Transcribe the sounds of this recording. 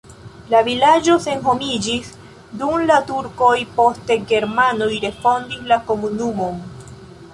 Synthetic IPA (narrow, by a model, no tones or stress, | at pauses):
lavilad͡ʒo̞se̞nɦo̞mid͡ʒis | dumlatuɾko̞jpo̞ste̞ɡe̞ɾmano̞jɾe̞sfo̞ndislako̞munumo̞n